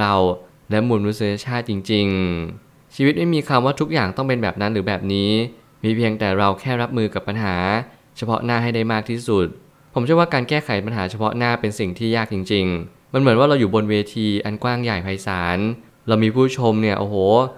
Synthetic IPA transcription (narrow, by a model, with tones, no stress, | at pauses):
ɾa˧w | lɛ˦˥muː˧nnu˦˥si˧˥ja˧t͡ɕʰaː˥˩t̪̚t͡ɕi˧ŋt͡ɕi˧ŋ | t͡ɕʰiː˧wi˦˥t̪̚ma˥˩jmiː˧kʰa˧mwaː˥˩t̪ʰu˦˥k̚jaː˨˩ŋt̪ɔ˥˩ŋpe˧nbɛː˨˩p̚na˦˥nɾɯː˩˦bɛː˨˩p̚niː˦˥ | miː˧pʰi˧əŋt̪ɛː˨˩ɾa˧wkʰɛː˥˩ɾa˦˥p̚mɯː˧ka˨˩pːa˧nɦaː˩˦ | t͡ɕʰa˧pʰɔ̰˦˥naː˥˩ɦa˥˩jda˥˩jmaː˥˩k̪̚ʰiː˥˩su˨˩t̪̚ | pʰo˩˦t͡ɕʰɯ˥˩əwːkaː˧nkɛː˥˩kʰa˩˦jpa˧nɦaː˩˦t͡ɕʰa˧pʰɔ˦˥naː˥˩pe˧nsi˨˩ŋt̪ʰiː˥˩jaː˥˩k̚t͡ɕi˧ŋt͡ɕi˧ŋ | ma˧nmɯ˩˦nwaː˥˩ɾa˧wjuː˨˩bo˧nweː˧t̪ʰiː˧ʔa˧nkwaː˥˩ŋjaː˨˩jpʰa˧jsaː˩˦n | ɾa˧wmiː˧pʰuː˥˩t͡ɕʰo˧mni˥˩ɐʔo̰ː˧˩hoː˩˦